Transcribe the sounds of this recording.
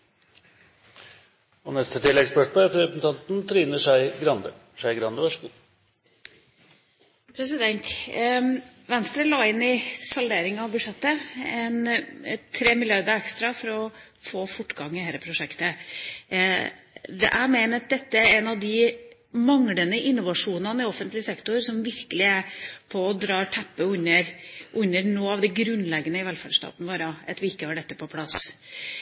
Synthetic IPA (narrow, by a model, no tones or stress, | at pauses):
ɔnɛst̪ət̪ʰɪlːɛɡspœʂmoːfɾɛpsn̩ɑnt̪n̩t̪ʰɾiːnəʂæɪɡɾɑnd̪ə | ʂæɪɡɾɑnd̪əʋæʂəɡuː | pʰɾɛsɪd̪ɛnt̪ | ʋɛnst̪ɾəlɑːɪnːɪsɑld̪eːɾɪŋɑɔʋbʉʂɛt̪ːəɛnt̪ʰɾeːmɪlɪɑɾd̪əɾɛkst̪ɾɑfɔɾɔ | foːfʊʈːɡ̥ɑŋːɪhæːɾəpʰɾʊʂɛkt̪ə | d̪ɛ̰ʔæɪmeɪnət̪̚d̪ɛt̪ːəɾɛnɑʋd̪ɪ | mɑŋlənəʔɪnːʊʋɑʂuːnɑnəɪɔfənt̪lɪəsɛkt̪ʊɾsɔmʋɪɾkəlɪæpʰɔɔd̪ɾɑːʈʰæpːəʉnːəɾʔʉnːəɾnoːɑʋd̪ɛɡɾʉnːlɛɡːənəɪʋɛlfæɖʂt̪ɑ̰ːt̪n̩ʋoːɾɑɑt̪ʋɪɪkːəhɑɖɛt̪ːəpʰɔpʰlɑs